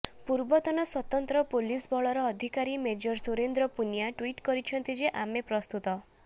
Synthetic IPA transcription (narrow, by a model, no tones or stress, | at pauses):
puɾbɔt̪ɔnɔswɔt̪ɔnt̪ɾɔpolisbɔɭɔɾɔːd̪ʱikaɾimed͡ʒɔɾsuɾend̪ɾɔpunijaʈwiʈkɔɾit͡ʃʰɔnt̪id͡ʒeʔamepɾɔst̪ut̪ɔ